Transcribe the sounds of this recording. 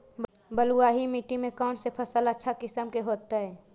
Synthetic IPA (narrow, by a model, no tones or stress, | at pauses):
bəluaɦimiʈimẽkaʊɳsepʰəsələtːʃʰakɪsəmkeɦoːt̪aɦɛː